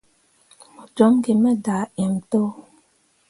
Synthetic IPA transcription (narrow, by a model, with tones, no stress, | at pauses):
d͡ʒɔ˨˦ŋ˦ɡe˨mɛ˦da˨ɛ˨m̩˨to˦